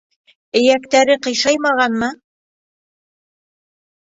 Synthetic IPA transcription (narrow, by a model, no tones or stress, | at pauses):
ɘ̆jækt̪æɾɘqɤ̆jʃɑjmɑʁɑnmɤ